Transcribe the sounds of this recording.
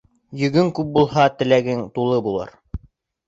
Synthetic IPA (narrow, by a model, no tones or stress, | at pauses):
jɵ̆ɡɵŋkʉp̚bulˠɦɑt̪ɘ̆læɡɘŋt̪ulˠɤbulˠɤ̰ɾ